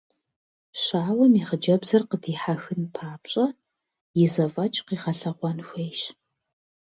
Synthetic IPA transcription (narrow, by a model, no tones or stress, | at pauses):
ɕaːwɐmiːʁəd͡ʒɐbzɐrqədiːħaxɨnpʰaːpɕʼɐ | jɪzɐvɐt͡ʃʼqiːʁɐɬɐʁʷɔnxʷejʃ